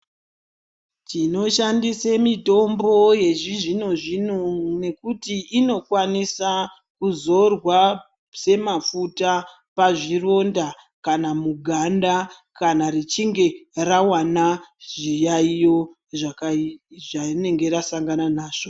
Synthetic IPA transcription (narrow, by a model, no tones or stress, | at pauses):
tino̞ʃandisemito̞mbo̞je̞ʐiʐino̞ʐinone̞kutiːno̞kwanisa | kuzo̞rwa | se̞mafuta | paʐiro̞nda | kanamuɡʱanda | kanarit͡ʃiŋɡe̞rawanaʐijaijo̞ | ʐa | ʐane̞ŋɡe̞ɾasaŋɡananaːʐ̥o